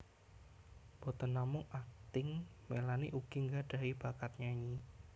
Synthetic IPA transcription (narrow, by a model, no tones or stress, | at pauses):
b̥ɔ̤t̪ənːamʊŋak̚t̪ɪŋmelaniʔuɡ̥iŋɡaɖ̥a̤ib̥akat̪̚ɲaɲi